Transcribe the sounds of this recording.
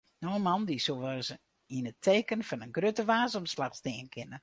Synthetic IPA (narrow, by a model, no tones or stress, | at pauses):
noənmɑndisoʋas | inətʰeːkənfɔnənɡrøtəʋaːsəmslaxstɪːənkʰɪnə